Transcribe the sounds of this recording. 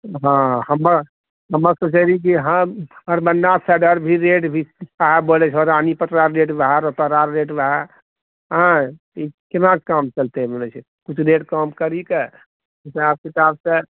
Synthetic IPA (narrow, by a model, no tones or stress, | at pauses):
ɦãhəmːəɾ | ɦəmːəɾsət͡ʃəɾik̬iɦə̃məɾbəndasɛɖəɾbʱiɾeʈbʱisaɦɛbolɛt͡ʃʰɔɾanipət̪ɾaɾːeʈbaɦaɾɔt̪əɾaɾːeʈbaɦɛ | ɦã | ikit̪nakkamt͡ʃəlt̪ebolɛt͡ʃʰ | kut͡ʃʰɾeʈkamkəɾike | isab̚kit̪absẽ